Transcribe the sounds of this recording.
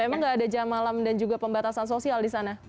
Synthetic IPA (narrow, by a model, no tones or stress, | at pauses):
emaŋɡaːdad͡ʒamalamdand͡ʒuɡapəmbat̪asans̬osialdisana